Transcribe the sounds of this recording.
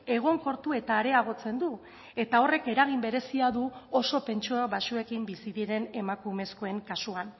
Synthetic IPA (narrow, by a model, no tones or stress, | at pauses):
e̞ɣ̞o̞ŋko̞ɾt̪ue̞t̪aːɾe̞aɣo̞t͡se̞nd̪u | e̞t̪ao̞re̞ke̞ɾaɣ̞imbe̞ɾe̞siaðuo̞so̞pe̞nt͡ʃuaβasue̞kimbisiðiɾe̞ne̞makumesko̞e̞ŋkasuan